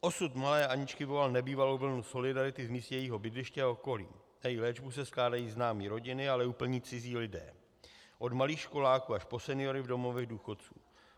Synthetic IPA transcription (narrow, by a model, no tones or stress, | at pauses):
ʔo̞sut̪malɛːʔaɲɪt͡ʃkɪvo̞lalnɛbiːvalowvl̩nuso̞lɪdaɾɪt̪ɪvmiːst̪jɛjiɦo̞bɪd̪lɪʃcɛːoko̞lḭː | jajɪlɛːd͡ʒbusɛsklaːdajiːznaːmiːɾo̞ɟɪnɪalɛuːpl̩ɲiːt͡sɪziːlɪdɛ̰ː | ʔo̞dmaliːxʃko̞laːkuːaʃpo̞sɛnɪo̞ɾɪvdo̞mo̞vɛɣduːxo̞t̪t͡suː